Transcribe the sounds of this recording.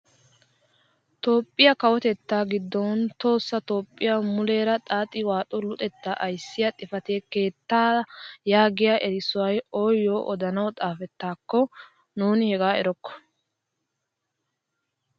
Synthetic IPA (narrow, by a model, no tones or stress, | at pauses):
t̪o̞ːpʼːɪjɐkɐwɔt̪ɛt̪ːaːɡɪd̪ːɔnt̪o̞ːsːɐt̪o̞ːpʼːɪjamʊleːɾɐt̪ʼaːt̪ʼːɪwaːt̪ʼʊlʊt̪ʼɛt̪ːaʔɐjsːɪjɐt̪ʼɪfɐt̪eːke̞ːt̪ːaːjaːɡɪjaʔɛɾɪsʊwɐjoːjːoːʔɔd̪ɐnɐwt̪ʼaːfɛt̪ːaːkːɔ | nuːnɪhɛɡaːɛɾɔkːɔ̥